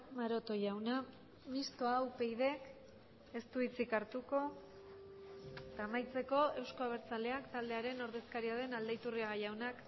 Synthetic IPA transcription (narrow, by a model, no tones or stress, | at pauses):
maɾo̞t̪o̞jawna | mist̪o̞awpe̞jð̞e̞k | e̞st̪uit͡sikaɾt̪uko̞ | et̪aːmajt͡se̞ko̞e̞wsko̞aβ̞e̞ɾt͡sale̞akt̪ald̪e̞aɾe̞no̞ɾðe̞skaɾiaðe̞nald̪ajt̪uriaɣajawnak